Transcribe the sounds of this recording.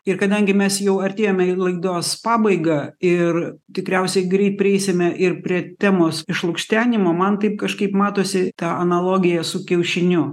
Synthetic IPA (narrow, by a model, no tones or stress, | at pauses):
ɪrkɐd̪ɐŋʲɡʲɪmʲɛsjɛʊɐrʲt̪ʲeːjoːmʲɛɪlˠɐɪɡd̪oːspɑːbɐɪɡɐːɪrt̪ʲɪkɾʲɛʊsʲɛɪɡɾʲɛɪt̪̚pʲɾʲɪɛɪsʲɪmʲɛʔɪrpʲɾʲiɛt̪ʲæːmoːsɪʃlˠʊkʃʲt̪ʲæːnʲɪmoːmɐnt̪ɐɪp̚kɐʃkɐɪpmɑːt̪oːsʲɪt̪ɑːɐnɐlˠoːɡʲɪjɛsʊkʲɛʊʃʲɪnʲʊ